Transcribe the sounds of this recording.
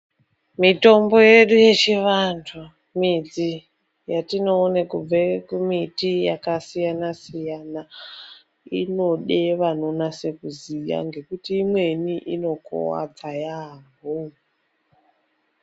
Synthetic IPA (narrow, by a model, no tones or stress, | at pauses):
mito̞mbo̞je̞ɗuje̞t͡ʃiʋantʰo | mid͡zi | jatino̞ːnekub͡vekumitijakasijanasijana | ḭno̞ɗe̞ʋano̞nase̞kuzija̰ŋɡe̞kutiːmwe̞niʔino̞ko̰wa̰d͡zajaːɦo